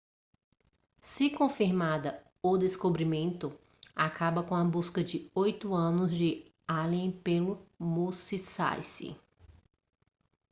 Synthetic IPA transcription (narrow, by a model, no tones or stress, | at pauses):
sɪkõfiɾmad̪ɐ | od̪eskobɾimẽnt̪ʊ | akabɐkõɐbuskɐd͡ʒɪojt̪ʊɐ̃nʊzd͡ʒɪ | alẽpelʊmusisa̰jsḭ